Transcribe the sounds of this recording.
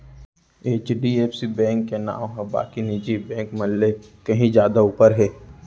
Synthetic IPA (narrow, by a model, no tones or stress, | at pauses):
eːt͡ʃɖieːpsibɛ̃ːŋkːena̰ːʋɦãba̰ːkinid͡ʒibɛ̃ːŋkməlːekɐɦĩd͡ʒjaːd̪auːpəɾɦɛː